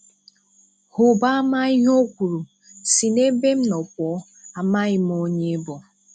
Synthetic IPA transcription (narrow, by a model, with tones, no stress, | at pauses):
hʊ˨ba˦a˦ma˦ɪ˦ɦo˦kʷu˨ɾu˨ | si˨ne˦be˦m̩˦nɔ˨k̚ʷɔ˨˦ | a˨ma˦ɣɪ˦m˦o˦ɲe˦bɔ˨